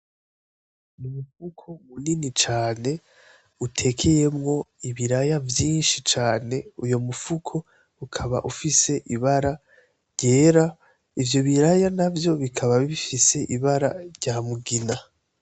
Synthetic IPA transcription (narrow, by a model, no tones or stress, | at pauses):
numufukʰo̞muninit͡ʃaːne̞ | utʰe̞kʰe̞je̞mŋo̞iβiɾajavjiːnʃit͡ʃaːne̞ujo̞mufukʰo̞ | ukʰaβa̰ʔufise̞ʔiβaɾa | ɾɟe̞ːɾa | ivjo̞βiɾajanavjo̞βikʰaβaβiifise̞ʔiβaɾa̰ɾɟaːmuɡina